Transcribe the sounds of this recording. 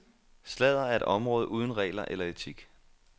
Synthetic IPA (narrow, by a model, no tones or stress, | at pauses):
slɛð̞̰ˠɐæɐe̝ɾ̥ɒ̽mʁɔ̽ːðˠəʔuːð̞ˠn̩ʁɛ̰ːlɐʔelɐet͡sʰiɡ̥